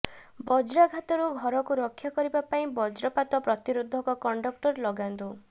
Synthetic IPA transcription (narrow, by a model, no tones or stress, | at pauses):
bɔd͡ʒɾaɡʱat̪ɔɾuɡʱɔɾɔkuɾɔkʰːjɔkɔɾibapaĩbɔd͡ʒɾɔpat̪ɔpɾɔt̪iɾud̪ʱːɔkɔkɔɳɖɔk̚ʈɔɾlɔɡant̪u